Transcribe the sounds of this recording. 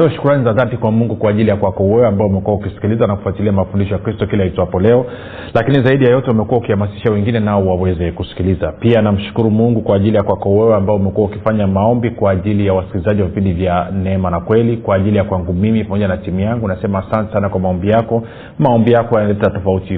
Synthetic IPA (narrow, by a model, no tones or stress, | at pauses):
iɔʃu̥kuɾanizaðatikwamuŋɡukwaːʄilijakwakɔwɛwɛambaɔumɛkuwaukisi̥kilizanaku̥fuatiliamafundiʃɔjakɾistɔkilahitɔwapɔlɛɔ | lakinizaiɗijajɔtɛumɛkuwaukihamasi̥ʃawɛŋɡinɛnaɔwawɛzɛkusi̥kilizapianam̩ʃu̥kuɾumuŋɡukwaːʄilijakwakɔwɛwɛambaɔumɛkuaukifaɲamaɔmbikwaːʄilijawasi̥kilizaʄiwavipindivjanɛɛmanakwɛlikwaːʄilijakwaŋɡumimipamɔʄanatimujaŋɡunasɛmahasantɛ̥sanakwamaɔmbijakɔ | maɔmbijakɔjanalɛtatɔfauti